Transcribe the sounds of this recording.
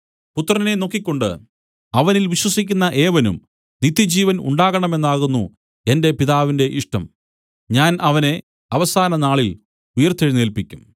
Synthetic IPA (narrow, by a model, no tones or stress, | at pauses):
put̪ːrɐne̞no̞kːikʲːo̞ɳɖɨ̰ | ɐʋɐnilʋiɕwɐsik̬ʲːunːɐʔe̞ːʋɐnṵm | nit̪ːjɐd͡ʑiːʋɐnṵɳɖaːɣɐɳɐme̞nːaːɣunːu | e̞nde̞piðaːʋinde̞ʔiʂʈɐ̰m | ɲaːnɐʋɐne̞ | ɐʋɐsaːnɐnaːɭil | ujɐrt̪ʰːeɻineːlpikʲːum